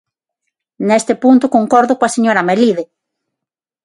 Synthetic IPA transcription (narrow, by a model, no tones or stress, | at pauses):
nest̪ɪpunt̪ʊkoŋkoɾðʊkoaseɲoɾameliðe